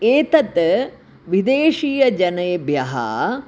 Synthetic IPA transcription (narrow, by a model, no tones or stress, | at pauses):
eːt̪ɐt̪ | ʋid̪eːʃiːjɐd͡ʒɐnɐjbʱjɐɦɐ̰